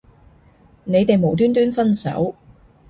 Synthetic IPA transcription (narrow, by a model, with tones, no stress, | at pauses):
ne˨˧jt̪e˨jmo˨˥wt̪yː˥nt̪̬yː˥nfɐ˥nsɐ̰˨˥w